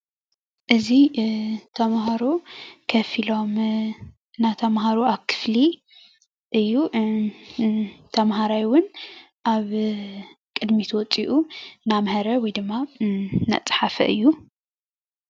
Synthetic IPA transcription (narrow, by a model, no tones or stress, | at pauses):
ʔɨzit̪ʰɐmɦaɾukʰɐfilo̞m | ɨnat̪ʰɐmɦaɾuakʰɨ̥fli | ʔɨjːu | t̪ʰɐmɦaɾajwʊn | ʔaβ | kʼɨd̪mit̪ʰwɔt͡sʼiʔunamhɐɾɐwɔjd̪ɨmːana̰t͡sʼħafɐ̰ʔɨ̰jːu